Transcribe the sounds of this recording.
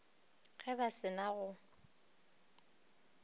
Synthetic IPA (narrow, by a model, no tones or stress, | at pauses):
ɣɛbasɪnaɣʊ